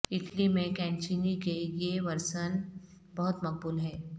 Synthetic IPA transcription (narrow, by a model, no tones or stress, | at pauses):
ɪʈlimẽkɛːnt͡ʃinikejeʋəɾʃən | bɐɦʊt̪mɐk̚buːlɦɛ̃ː